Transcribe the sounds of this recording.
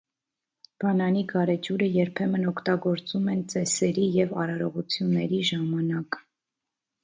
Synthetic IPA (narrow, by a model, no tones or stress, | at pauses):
b̥ɑnɑniɡɑɾɛt͡ʃuɾəjɛɾpʰɛmənɔkʰt̪ɑɡɔɾt͡sumɛnt͡sɛsɛɾijɛvɑɾɑɾɔʁut͡sʰjunːɛɾiʒɑmɑnɑk